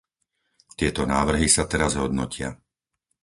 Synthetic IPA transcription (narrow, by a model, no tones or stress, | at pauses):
t̪ɪɛt̪ɔnaːʋr̩ɦisat̪ɛɾazɦɔd̪nɔ̰cɪa̰